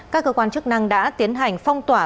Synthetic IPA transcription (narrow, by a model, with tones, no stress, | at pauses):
kaː˦˥k̚ːəː˧kwaː˧nt͡ɕɨ˦˥k̚na˧ŋɗa̰ː˧˥t̪i˨˦ənɦa˨˩jŋ̟fa˧wŋ͡mt̪waː˧˩